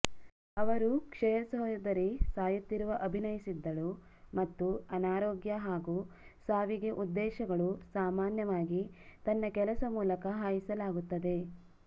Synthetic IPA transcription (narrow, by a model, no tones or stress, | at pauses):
ɐʋɐɾukʂɛjɐsɔɦjɐd̪ɐɾisaːjut̪ːiɾuʋɐʔɐbʱinɐjisid̪ːɐɭu | mɐt̪ːuɐnaːɾoːɡjɐɦaːɡuːsaːʋiɡe̞ʔud̪ːɛːʃɐɡɐɭusaːmaːnjɐʋaːɡit̪ɐnːɐkɛlɐsɐmuːlɐkɐɦaːjisɐlaːɡut̪ːɐd̪e̞